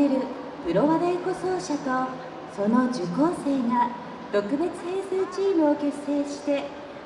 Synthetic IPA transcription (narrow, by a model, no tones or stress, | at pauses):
eɾɯ̟ | bɯ̟ɾo̞βad̪aiko̞so̞ːɕat̪o̞ | so̞no̞d͡ʑɨko̞ːse̞ːŋa | t̪o̞kɯ̟be̞t͡sɨ̥heːsɨɯt͡ɕiːmɯ̟o̞ke̞sːe̞ːɕi̥t̪e̞